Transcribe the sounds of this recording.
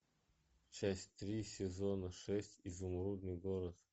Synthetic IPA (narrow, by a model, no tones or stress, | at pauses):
t͡ɕæsʲt̪ɾʲisʲɪzonəʂɛsʲtʲizʊmɾud̪nɨjɡoɾət̪